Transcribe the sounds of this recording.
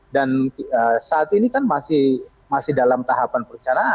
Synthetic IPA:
danəsaːt̪inikanmasɪh | masɪhdalamt̪aɦapanpərt͡ʃanaʔ

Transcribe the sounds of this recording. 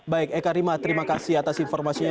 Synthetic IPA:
baɪkɛkaɾimat̪əɾimakasiat̪asinfɔrmasiɲ

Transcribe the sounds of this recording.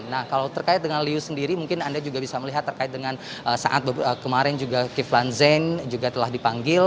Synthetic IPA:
nahkalawt̪ərkaɪt̪̚dəŋanliusəndiɾimuŋkɪnandad͡ʒuɡabisaməliɦat̪ːərkaɪt̪̚dəŋan | əsa̰ʔa̰t̪̚bəəkəmaɾɛnd͡ʒuɡakiflanzɛnd͡ʒuɡat̪əlahdipaŋɡɪl

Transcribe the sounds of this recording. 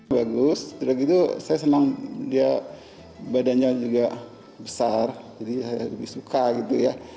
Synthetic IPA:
baɡʊst̪udakit̪usajasənaŋdia | badanɲd͡ʒad͡ʒuɡa | bəsard͡ʒadisajaləbɪhsukaɡit̪uja

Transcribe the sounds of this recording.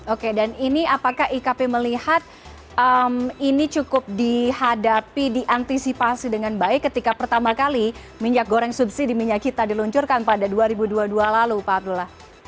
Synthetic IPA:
okedaniniapakahikapeməlihat̪̚ | əminit͡ʃukʊp̚dihadapidiʔant̪isipasidəŋanbaɪkːət̪ikapərt̪amakali | miɲak̚ɡoɾɛŋsubsidimiɲakkit̪adiluɲt͡ʃʊrkanpadaduaɾibuduadualalupaulah

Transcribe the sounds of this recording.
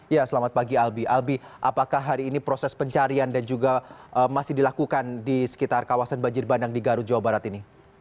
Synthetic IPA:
jasəlamat̪̚paɡialbiʔalbiʔapakahɦaɾiːnipɾosɛspəɲt͡ʃaɾiandand͡ʒuɡaʔəmasɪhdilakukandisə̥kit̪arkawasanbaɲd͡ʒɪrbandaŋdiɡaɾud͡ʒawabaɾat̪ini

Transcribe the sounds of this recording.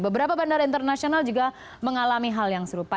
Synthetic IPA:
bəbəɾapabandaɾaint̪ərnasionald͡ʒuɡa | məŋalamiɦaljaŋsəɾupa

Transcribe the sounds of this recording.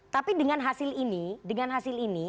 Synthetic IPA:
t̪apidəŋanɦasɪlinidəŋanɦasɪlini

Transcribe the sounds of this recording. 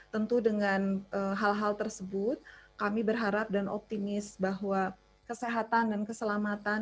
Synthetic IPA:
t̪ənt̪udəŋanʔəɦalɦalt̪ərsəbʊt̪̚kamibərɦaɾap̚danʔɔ̰p̚t̪imɪsbaɦwa | kəseɦat̪andankəsəlamat̪an

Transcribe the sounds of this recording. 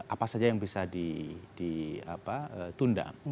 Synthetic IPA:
ʔapasad͡ʒajaŋbisadidia̰paət̪unda̰

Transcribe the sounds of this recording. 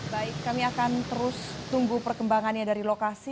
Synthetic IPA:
baɪkːamiakant̪əɾʊst̪uŋɡupərkəmbaŋanɲadaɾilokasi

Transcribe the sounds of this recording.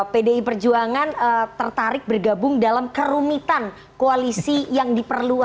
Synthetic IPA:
pedeipərd͡ʒuaŋanət̪ərt̪aɾɪk̚bərɡabʊŋdalamkəɾumit̪an | koalisijaŋdipərlu

